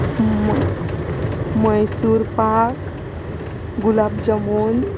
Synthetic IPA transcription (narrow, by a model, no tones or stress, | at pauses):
məjsuɾpak | ɡulabd͡ʒəmon